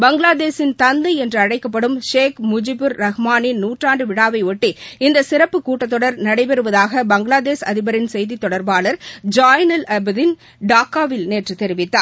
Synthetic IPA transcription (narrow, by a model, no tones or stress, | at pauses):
bɐŋɡlaːðeːsɪnt̪ɐnd̪ɐɪɛndrɯɐɽɐɪkːɐp̬ːɐɽɯmʃeːkmʊd͡ʒɪbɯɾːɐɣɐmaːnɪnnuːʈraːɳɖɯʋɪɽaːʋɐɪɔʈːiɪnd̪ɐsɪɾɐpːɯkːuːʈːɐt̪ːɔɽɐɾnɐɽɐɪpɛɾɯʋɐðaːɣɐbɐŋɡɪɭaːðeːsɐðɪbɐɾɪnsɛjðit̪ːɔɽɐɾbaːlɐɾd͡ʒaːjnɐlɐbðɪn | ɖaːkaːʋɪlneːʈrɯt̪ɛɾɪʋɪt̪ːaːɾ